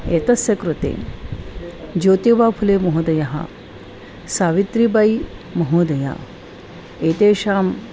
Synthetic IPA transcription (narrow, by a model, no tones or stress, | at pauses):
eːt̪ɐsjɐkɾut̪ḛː | d͡ʒoːt̪eʋaːpʰuleːmoɦud̪ɐjɐɦɐ̰ | saːʋit̪ɾibɐjmoɦud̪ɐja̰ | eːt̪eːʃaːm